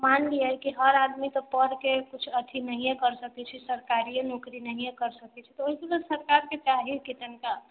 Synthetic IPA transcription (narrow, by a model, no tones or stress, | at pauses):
manliəjkiɦəɾad̪mit̪ɔpəɾkekut͡ʃʰət̪ʰinəɦĩjekəɾsəkɛt͡ʃʰɛsəɾkaɾienokɾinəɦĩjekəɾsəkɛt͡ʃʰɛt̪ɔoɦikelesəɾkaɾket͡ʃaɦikit̪ənka